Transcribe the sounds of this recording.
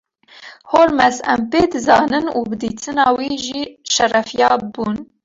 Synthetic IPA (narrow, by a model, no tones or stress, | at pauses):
hoɾmɛsɛ̰mpeːd̪ɨzɑːnɨnṵːbɨd̪iːt̪ʰɨnɑːwiːʒiːʃɛrɛfijɑːbuːn